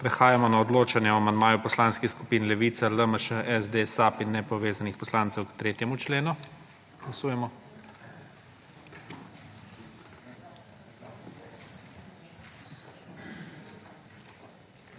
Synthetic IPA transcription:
pɾɛxaːjamɔnaɔd̪loːt͡ʃanjɛɔamand̪̚maːjupɔslanskixskupiːnlɛʋiːt̪saləməʃəʔɛzd̪esapinːɛpɔʋeːzanixpɔslaːnt̪sɛwkt̪ɾeːt̪jɛmut͡ʃleːnu | ɡ̥lasuːjɛmɔ

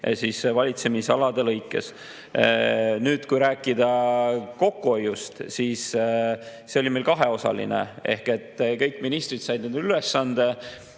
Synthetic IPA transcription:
sisvɑlʲit̪se̞misɑlɑd̪e̞lɤjkːˑe̞̰s | nyːd̪̥kujɾæːkːˑid̪ɑko̞kːuo̞jːust̪siːs | se̞o̞lʲimejlkɑɦe̞o̞sɑ̰lḭnḛe̞̰hke̞t̪ːˑkɤ̞jkːˑminist̪ɾit̪sɑjd̪nend̪ylesːɑnd̪̥e̞

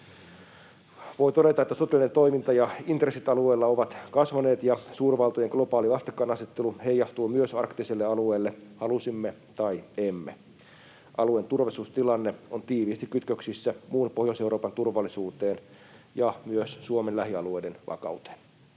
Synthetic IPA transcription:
ʋo̞jt̪o̞ɾe̞t̪ɑet̪ːæsot̪elinent̪o̞imint̪ɑjɑint̪resit̪ɑlueːlːɑoʋɑt̪kɑsʋɑne̞ːt̪jɑsuːrʋɑlt̪ojeŋɡ̥lo̞pɑːliɑst̪ikːɑːnɑset̪ːeluhe̞jːɑst̪uːmyøsɑrkt̪iselːeɑlueːlːehɑlusimːet̪ɑjemːe | ʔɑluent̪urʋɑsuːst̪ilɑnːeont̪iːʋiːst̪ikːyt̪køksisːæmuːnpohjoseuɾoːpɑnt̪urʋɑlːˑisuːt̪e̞ːn | jɑmyøssuomelæɦiɑ̰luejdenʋɑ̰kɑ̰ut̪e̥n

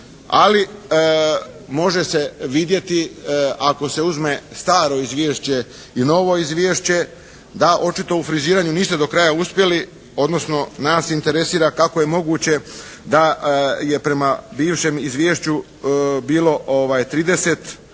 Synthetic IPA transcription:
a̰li | mo̞ʒe̞se̞ʋid̪je̞t̪iako̞se̞uzme̞st̪aːɾo̞izʋje̞ːʃt͡ɕe̞ | ino̞ʋo̞izʋje̞ːʃt͡ɕe̞ | d̪aʔo̞t͡ʃit̪o̞ufɾiziːɾaːɲuniːst̪e̞d̪o̞kɾajauspje̞li | o̞d̪no̞sno̞naːsint̪e̞ɾe̞siːɾakakoje̞mo̞ɡuːt͡ɕe̞ | d̪aje̞pɾe̞mabiːʋʃe̞mizʋje̞ːʃt͡ɕu | biːlo̞ʔoʋajt̪ɾiːd̪e̞se̞t̪

